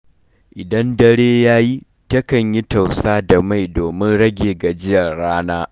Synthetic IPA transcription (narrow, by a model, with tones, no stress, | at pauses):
ʔɪ˨dɐ˦ndɐ˦ɽeː˦jaː˦ji˦ | tɐ˦kɐ˨ɲji˦ta˨wsaː˦da˨ma˦˨jdoː˨mɪ˦nɽɐ˦ɡʲeː˨ɡa˨d͡ʒɪ˦jɐ˨rɽaː˦naː˦